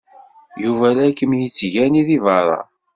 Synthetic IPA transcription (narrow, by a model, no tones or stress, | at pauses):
juvælækːəmjit͡sːʝæniðivɑɾˤɑ̰